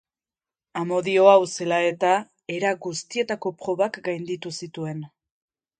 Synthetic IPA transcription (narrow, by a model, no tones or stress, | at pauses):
amo̞ðio̞awse̞lae̞t̪a | e̞ɾaɡust̪ie̞t̪ako̞pɾo̞βakɡajnd̪it̪usit̪ue̞n